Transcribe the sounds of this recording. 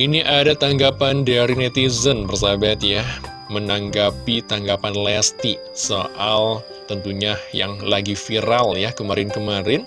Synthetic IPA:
ʔiniʔadat̪aŋɡapandaɾinet̪izənbərs̬abat̪ja | mənaŋɡapit̪aŋɡapanlast̪i | soʔal | t̪ənt̪uɲaja̰ŋlaɡifiɾaljakəmaɾɪnkəmaɾɪn

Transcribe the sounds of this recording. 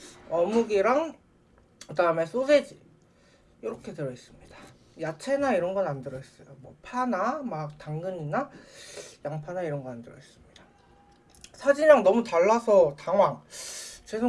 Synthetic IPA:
ʌmuɡiɾaŋ | kɯdaɯme̞sʰosʰed͡ʑi | jʌɾʌkʰe̞tɯɾʌis͈ɯmɲid̥a | jat͡ɕʰe̞naiɾʌnɡʌnandɯɾʌes͈ʌjomwʌpʰanamak̚taŋɡɯɲina | jaŋpʰanaiɾʌnɡʌandɯɾʌʌs͈ɯmɲida | sʰad͡ʑiɲaŋnʌmutaɭːasʰʌtaŋwaŋt͡ɕwesʰo

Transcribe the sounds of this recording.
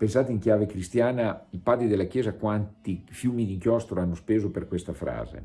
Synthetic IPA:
pensaːt̪eiŋkjaːvekɾist̪jaːnaipaːd̪ɾid̪elːakjɛːzakwant̪ifjuːmid̪iŋkjɔst̪ɾoanːospeːzoperkwest̪afɾa̰ːzḛ

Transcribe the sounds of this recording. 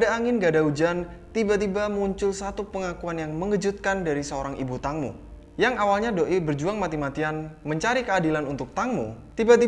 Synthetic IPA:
adaːŋɪnɡadaud͡ʒant̪ibat̪ibamuɲt͡ʃʊlsat̪upəŋakuanjaŋməŋəd͡ʒut̪̚kandaɾisəoɾaŋḭbut̪aŋmṵ | jaŋawalɲadoʔibərd͡ʒuaŋmat̪imat̪ianməɲt͡ʃaɾikəadilanunt̪ʊk̚t̪aŋmṵt̪ibat̪i

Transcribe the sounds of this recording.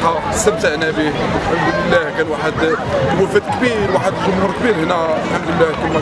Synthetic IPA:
a | sːəb̚t̪aʔnæbiəlħamd̪ləlːækænwaħəd̪wæfæd̪kbiɾwaħəd̪əlʒʊmhuɾkbiɾhnælħamd̪əlːæhk̪ænwæ

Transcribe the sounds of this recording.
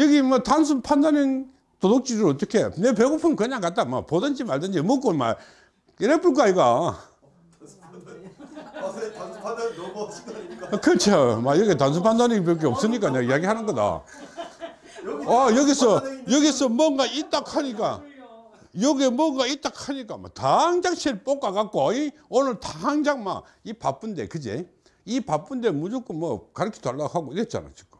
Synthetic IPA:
jʌɡimʌtans̬ʰupʰandanin | todok̚t͡ɕ͈idɯʌt̪͈ʌkʰenep̬eɡopʰɯmkɯɲaŋkat̚t͈ama̰podɯnd͡ʑimaɭdɯnd͡ʑimʌk̬͈oma̰ | iɾep͈uɭk̬aika | kɾʌt͡ɕʰomajʌɡetans̬ʰupʰandanipɾʌk̬ʰeʌp̚s͈ɯɲik͈aneijaɡihanɯnɡʌda̰ | ajʌɡisʰʌjʌɡisʰʌmwʌnɡait͈akʰaɲik̬͈a̰ | jʌɡemwʌnɡait͈akʰaɲik͈ama̰taaŋd͡ʑaŋɕʰiɭp͈ok͈akak͈̚oaionɯɭtaaŋd͡ʑaŋma̰ | ipap͈unde̞̰kɯd͡ʑḛ | ipap͈unde̞mud͡ʑok͈ɯmːwʌkaɾɯkʰi̥twaɭːaɦaɡoiɾet̚t͡ɕ͈a̰na̰t͡ɕʰik͈o

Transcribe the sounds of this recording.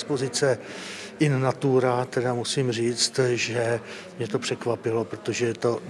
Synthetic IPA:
spo̞zɪt͡sɛ | ʔɪnnat̪uːɾat̪ɛdamusimriːt͡st̪ʒɛ | mɲɛt̪o̞pr̝̥ɛkvapɪlo̞pɾot̪o̞ʒɛt̪o̞

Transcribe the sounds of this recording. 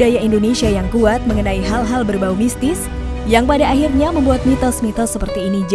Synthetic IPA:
ajaindonesiajaŋkuat̪̚məŋənaiɦalɦalbərbaumist̪ɪs | jaŋpadaːɦirɲaməmbuat̪̚mit̪ɔsmit̪ɔsːəpərt̪iːnid͡ʒ

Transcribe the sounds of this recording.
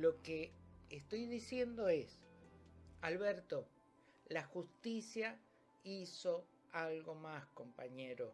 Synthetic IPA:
lo̞keːst̪o̞jðisje̞nd̪o̞es | alβeɾt̪o | laxust̪isja | iso̞ | alɣo̞masko̞mpaɲeɾo

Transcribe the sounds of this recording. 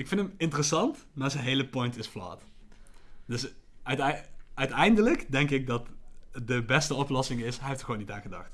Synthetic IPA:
ɪkfɪndəmɪntərəsɑnt | maːɹzənɦejləpɔjntɪsfla̰ːt | d̥ɵstœɥtɛjndələkdɛŋkɪk̚dɑtdəbɛstəɔplɔsɪŋɪsɦɛjɦeftəχʋoːnːitaːnχədɑ̰xt

